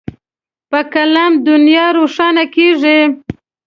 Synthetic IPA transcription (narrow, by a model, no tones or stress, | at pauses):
pəkalɑmd̪ʊnjɑɾoʂɑnakeʐi